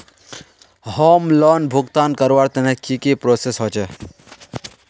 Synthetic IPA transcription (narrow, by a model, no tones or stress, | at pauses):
hoːmlɔːnbʱuɡt̪aːnkəɾʋaɾt̪ɐnekikipɾoːsesɦot͡ʃe